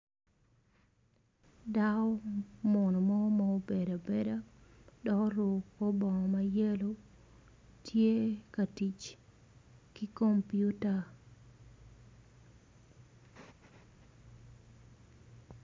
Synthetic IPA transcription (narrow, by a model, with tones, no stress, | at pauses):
da˦ɔ˦mɔ˨no˨mɔ˦mɔ˦o˦be˨da˨be˦da˦dɔ˨kɔ˦ɾʊ˨po˦bɔ˨ŋɔ˨ma˦je˦lo˦ | tʰje˦ka˨ti˨t͡ʃ | ki˦ko˦mpju˦ta˨